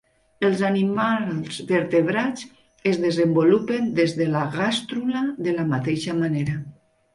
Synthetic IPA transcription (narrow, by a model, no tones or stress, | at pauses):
elˠzanimalz̥ðeɾt̪eβɾat͡s | ezðezembolupend̪ezðelaɣast̪ɾulaðelamat̪eʃamaneɾa